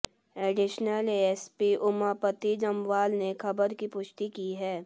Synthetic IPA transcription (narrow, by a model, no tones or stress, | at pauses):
eːɖɪʃnəleːɛspiʔʊmapət̪id͡ʒɐmʋaːlnekʰɐbəɾkipʊʃt̪ikiɦɛː